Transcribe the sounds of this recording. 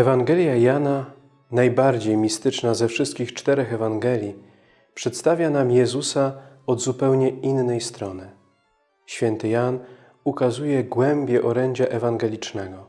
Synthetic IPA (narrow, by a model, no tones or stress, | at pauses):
ɛvaŋɡɛlʲjajana | najbaɾd͡ʑejmʲist̪ɘt͡ʂnazɛfʂɘst̪̚kʲixt͡ʂt̪ɛɾɛxɛvaŋɡɛlʲji | pʂɛt̪st̪avʲjanamjɛzusa | ɔd̪zupɛwɲɛinːɛjst̪ɾɔnɘ | ɕfʲjɛnt̪ɘjan | ukazujɛɡwɛmbʲjɛʔɔɾɛɲd͡ʑaʔɛvaŋɡɛlʲit͡ʂnɛɡɔ